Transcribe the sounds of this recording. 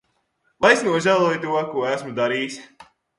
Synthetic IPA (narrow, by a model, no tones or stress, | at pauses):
lajsnuɔʒælˠuːjt̪uɔkuɔæsmud̪aɾiːs